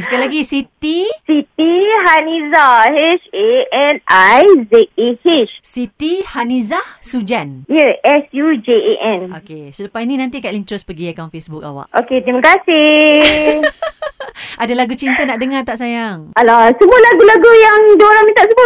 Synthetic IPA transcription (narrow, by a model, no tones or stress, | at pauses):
səkalaɡisit̪isit̪iɦanizaheʃeɛnajzɛt̪̚ehiʃsit̪ihanizahsud͡ʒanjəʔɛsjud͡ʒeeʔɛ̃nokesupajnĩnãnt̪̬ikaʔliɲt͡ʃʊspəɡiakaw̃nfesbuk̚a̰wa̰ʔʔo̰ket̪ɾiməkasi | ʔadalaɡut͡ʃint̪ənaʔdəŋat̪aʔsajaŋalasəmualaɡulaɡujaŋdoɾaŋmĩt̪aʔsəma